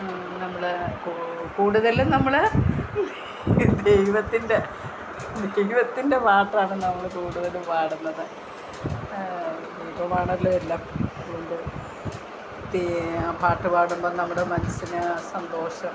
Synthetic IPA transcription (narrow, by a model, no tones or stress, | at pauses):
nɐmːɐɭkkuːɽuðɐlunɐmːɐɭ | d̪ejʋɐt̪ːinde̞ | d̪ejʋɐt̪ːinde̞paːʈraːɳɨnɐmːɐɭkuːɽuðɐluʋaːɽunːɐðɨ | d̪ejʋɐmaːɳɐlːoelːaːmɐðɐɣoɳɖɨ | d̪epaːʈːɨpaːɽumboːnɐmːuɽemɐnɐsːinɨsɐnd̪o̞ːɕɐm